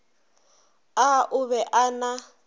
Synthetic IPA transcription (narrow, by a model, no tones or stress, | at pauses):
aʔʊβɛʔana